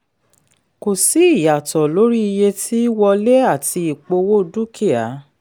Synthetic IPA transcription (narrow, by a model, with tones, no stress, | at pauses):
ko˨si˨˦i˦˨ja˨tɔ˨lo˨˦ɾi˦i˧je˧tʰi˦wɔ˧le˦a˦˨ti˧i˨k͡po˧wo˦du˦kʰi˦a˨˦